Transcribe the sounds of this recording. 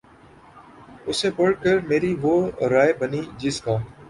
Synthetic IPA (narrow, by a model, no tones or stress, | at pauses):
ʊseːbəɽkəɾmeːɾiːʋoːɾaːeːbəniːd͡ʒɪskaː